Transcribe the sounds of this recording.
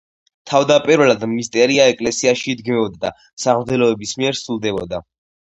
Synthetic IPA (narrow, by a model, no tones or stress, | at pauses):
t̪ʰavd̪apʼiɾvɛlad̪mmist̪ʼɛɾiaɛkʼlɛsiaʃiːd̪ɡmɛɔd̪ad̪a̰ | saʁmd̪ɛlɔɛbismiɛɾsulˠd̪ɛbɔd̪a